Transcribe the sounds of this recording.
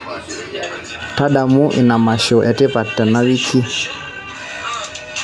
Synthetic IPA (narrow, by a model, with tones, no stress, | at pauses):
ta˦ɗa˨mu˦ʔḭ˨na˨ma˨ʃɔ˨ʔɛ˨tɛ˦pa˨tːɛ˨na˦wi˦ki˦